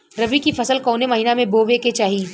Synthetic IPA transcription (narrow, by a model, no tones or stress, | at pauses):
ɾɐʋikifɐsəlkɔːnemɐɦiːnamẽboːʋeket͡ʃaːɦiː